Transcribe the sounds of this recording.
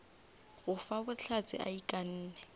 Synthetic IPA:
ɣʊfabʊt͡ɬʰat͡sʼɪ̰ʔa̰ikʼan̩ːnɛ

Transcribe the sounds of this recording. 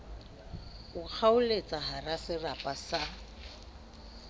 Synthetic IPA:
ʊk͡xʰaʊlet͡sʼaɦarasɪrapʼasa

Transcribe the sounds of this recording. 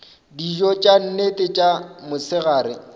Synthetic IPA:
did͡ʒɔt͡ʃʼan̩netʼɪt͡ʃʼamʊsɪɣaːɾɪ̰

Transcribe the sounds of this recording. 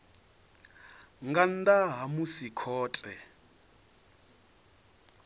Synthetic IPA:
ŋɡan̩d̪aɦamusikʰɔːtʼɛ

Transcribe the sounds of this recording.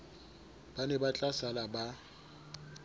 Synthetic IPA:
b̥anɛbat͡ɬʼasalaba

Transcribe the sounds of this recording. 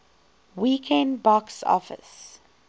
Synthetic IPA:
wikʰɛ̃nbɔksɔ̰fə̰s

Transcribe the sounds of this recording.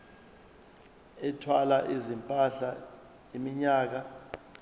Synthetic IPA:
ɛtʰwalaʔizimpʼaɬa | imiɲaːk̬a

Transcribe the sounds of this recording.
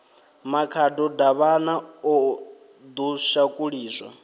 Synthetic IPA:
makʰadɔdaβanaɔ | d̪uʃakʼuɺiːzʷa̰

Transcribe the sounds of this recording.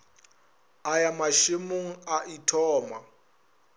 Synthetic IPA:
ajamaʃemʊŋ̩aʔitʰɔːma

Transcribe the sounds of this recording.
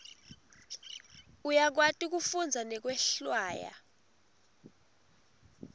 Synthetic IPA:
ujak̬watʼik̬ufund͡zʱanɛk̬wɛɬwaːja̰

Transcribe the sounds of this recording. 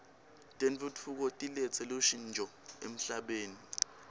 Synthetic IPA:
tʼent͡futʰuk̬ɔtʼilɛt͡sʼɛloʃind͡ʒʱɔ | em̩ɬaɓeːni

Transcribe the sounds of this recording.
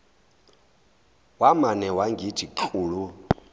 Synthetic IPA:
wamanɛwaŋɡitʰiǃʰuːɺu

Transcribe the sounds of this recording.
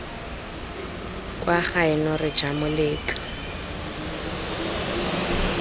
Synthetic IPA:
kʼwaχaɪnɔrɪ̥d͡ʒ̥amʊleːt͡ɬʼɔ̥

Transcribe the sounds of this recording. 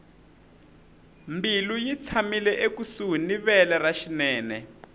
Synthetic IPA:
mbilujit͡sʰamilɛʔekusuɦuniβɛlɛraʃinɛːnɛ

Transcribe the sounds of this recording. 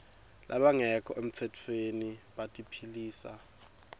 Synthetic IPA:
lʔa̰ɓaŋɛkʰɔʔem̩t͡sʰɛtʰweniɓatʼipʰiliːsa̰

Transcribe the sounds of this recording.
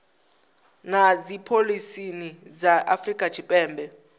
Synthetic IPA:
nazipʰolisinizaʔafrikʼḁt͡ʃʰipʼɛːmbʱɛ

